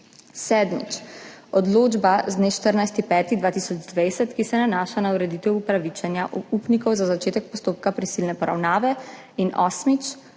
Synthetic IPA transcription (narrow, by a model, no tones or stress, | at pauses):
sɛːd̪mḭt͡ʃɔd̪loːd͡ʒbazd̪neːʃt̪əɾnajst̪ipɛːt̪id̪ʋaːt̪isɔd͡ʒd̪ʋejsɛt̪kisɛnanaːʃanauɾɛd̪it̪ɛwupɾaʋit͡ʃanjaupnikɔwzazat͡ʃeːt̪ɛk̚pɔst̪oːp̚kapɾisilnɛpɔɾa̰wnaːʋɛ | inɔsmit͡ʃ